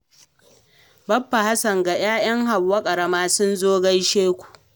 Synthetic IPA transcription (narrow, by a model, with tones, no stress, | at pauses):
bɐ˦pːa˨ha˦sɐ˨ŋɡa˨j̰aː˦j̰ɐ˦ŋɦa˨bɐ˦kʼɐ˨ɽɐ˦maː˦sʊ˦nzoː˦ɡɐ˦jʃeː˦kʷu̥˨ʔ